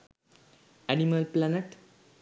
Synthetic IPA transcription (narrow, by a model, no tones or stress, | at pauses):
æniməlplæneʈ